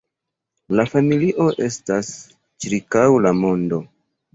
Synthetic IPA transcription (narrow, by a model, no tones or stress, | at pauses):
lafamiliʔo̞ʔe̞stas | t͡ʃiɾkawlamo̞ndo̞